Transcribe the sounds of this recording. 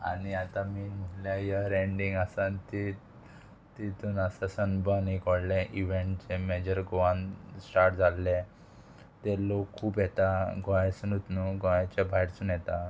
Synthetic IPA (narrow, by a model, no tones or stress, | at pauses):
a̰niat̪ãmiːməljajaɾeɳɖiŋɡasãnt̪i | t̪it̪uːnasasənbənikɔɽlẽʔiʋeɳʈ̚t͡semed͡ʑəɾɡoʋãnsʈaɾʈd͡zʱalːe | t̪elokʰːuːpjet̪aɡojãsənut̪nuɡojat͡ɕabʱajɽt͡suːnjet̪a